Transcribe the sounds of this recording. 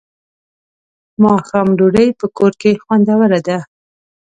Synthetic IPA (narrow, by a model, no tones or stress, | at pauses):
mɑxamɾuɽəjpəkoɾkexwand̪awəɾad̪a